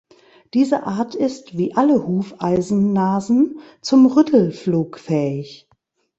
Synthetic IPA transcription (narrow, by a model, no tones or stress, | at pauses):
d̥iːzəʔaɐtʰɪstv̥iːʔaləhuːfʔaɪzn̩ːaːzn̩t͡sʊmʁʏtʰl̩fluːkfɛːɪç